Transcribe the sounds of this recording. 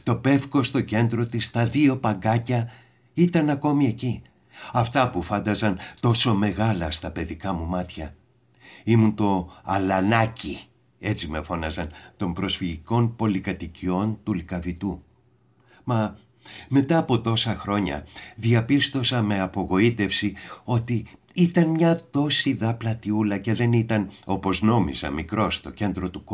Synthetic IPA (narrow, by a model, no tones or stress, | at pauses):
t̪o̞pe̞fko̞st̪o̞ce̞nd̪ɾo̞t̪ist̪ɐðio̞pɐŋɡɐcɐ | it̪ɐnɐko̞mie̞ci | ɐft̪ɐpufɐnd̪ɐzɐnt̪o̞so̞me̞ɣɐlɐst̪ɐpe̞ðikɐmumɐt̪çɐ | imunt̪o̞ɐlɐnɐci | e̞t͡sime̞fo̞nɐzɐnt̪o̞mpɾo̞sfiʝiko̞npo̞likɐt̪icio̞nt̪ulikɐvit̪u | mɐ | me̞t̪ɐːpo̞t̪o̞sɐxɾo̞ɲɐ̰ðiɐpist̪o̞sɐme̞ɐpo̞ɣo̞it̪e̞fsio̞t̪i | it̪ɐnmɲɐt̪o̞siðɐplɐt̪iulɐce̞ðe̞nit̪ɐno̞po̞zno̞mḭzɐ̰mikɾo̞st̪o̞ce̞nd̪ɾo̞t̪uk